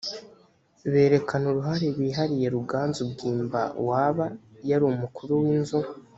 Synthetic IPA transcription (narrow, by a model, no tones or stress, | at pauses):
βe̞ːɾe̞kanuɾuɦaɾeβiːɦaɾije̞ɾuɡaːnzubɡiːmba̰waːβajaɾuːmukuɾuwinzu